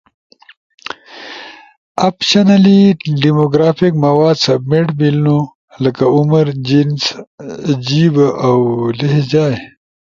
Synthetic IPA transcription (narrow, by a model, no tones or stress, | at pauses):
apʃanaliɖimoɡɾaːfikmɐwaːd̪sɐb̚meʈbilno | ləkaʊməɾd͡ʑins | d͡ʑibawleɦd͡ʑaːj